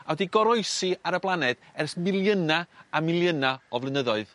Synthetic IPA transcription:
awɛdiɡɔɾɔɨsɨaɾəblˠanɛd̥ɛrsmɪlˠjənaamɪlˠjənaɔvlˠɨnəðɔɨð

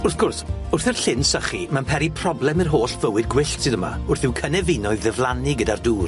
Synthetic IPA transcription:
ʊrθɡ̥ʊrsʊrθɪrɬɪnsəχimanpʰɛɾipʰrɔblˠɛmɨrɦoːɬv̥əwɨd̚ɡwɪɬtsɨðəma̰ʊrθɪwkʰənɛvɪnɔɨðɛvlˠanɪɡədarduːr

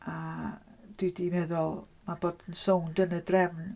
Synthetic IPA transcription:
a | d̥idimɛðʊlˠ | maboːdənsowndənədrɛvn

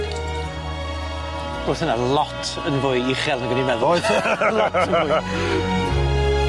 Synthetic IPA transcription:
rʊːθənalˠɔtʰənvʊɨiχɛlˠnəɡənimɛðɔɨðtlɔəʊ

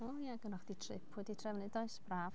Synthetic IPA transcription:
ojaɡənɔχd̥itʰrɪ̰pʰɛditʰrɛvnɨdɔɨsb̥raːv̥

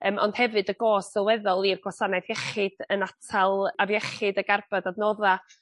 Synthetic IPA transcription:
əːmɔ̰nd̥hɛvɨdəɡoːsɛlˠwɛðɔlˠirɡ̥wasanajðjɛχɨd̥ənatʰalˠavjɛχɨdəɡarbadadnɔða

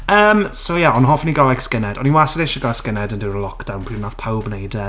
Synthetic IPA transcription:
əːmsojaɔnɦɔfniɡalajkskɪnɛdɔninwasədɪʃəɡaskɪnɛdəndɪwɾəlˠɔkd̥awnpʰinaθpʰawbnejdə

